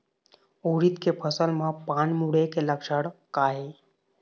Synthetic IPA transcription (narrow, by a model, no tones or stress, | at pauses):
oɾit̪kepʰəsəlmãpanmuɽekeləkʃəɽkaɦe